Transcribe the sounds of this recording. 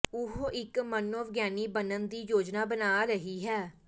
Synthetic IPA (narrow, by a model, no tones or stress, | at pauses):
ʊɦoːʔɪkmənəʋɡjaːniːbənənd̪iːjoːd͡ʒnaːbənaːɾəɦiːɦɛː